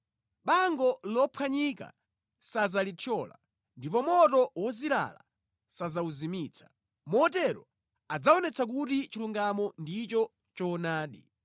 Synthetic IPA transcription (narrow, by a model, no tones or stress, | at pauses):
ɓaŋɡɔlɔpʰwaɲika̰ | sazalitʰɔːla̰ | ndipɔmɔtɔwɔzila̰la̰ | sazauzimiːt͡sʰḁ | mɔːtɛɾɔ̰ | ad͡zaɔnɛt͡sʰak̬utit͡ʃiluŋɡamɔndit͡ʃɔ | t͡ʃɔnaːɗi